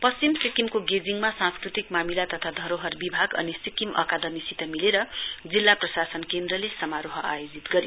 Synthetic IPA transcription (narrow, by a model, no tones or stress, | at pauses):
pʌst͡simsikimkoɡed͡ziŋmasãnskrit̪ikmamilat̪ʌt̪ʰad̪ʱʌɾoɦʌrbibʱaɡʌ̰nisikimʌ̰kad̪ʌmisit̪ʌmileɾʌd͡zilːaprʌsasʌnkend̪rʌlesʌmaɾoɦʌajod͡zit̪ɡʌɾḭ